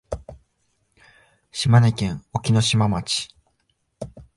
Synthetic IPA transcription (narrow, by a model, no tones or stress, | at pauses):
ɕimanekʲẽŋ̃okʲino̞ɕimamat͡ɕi̥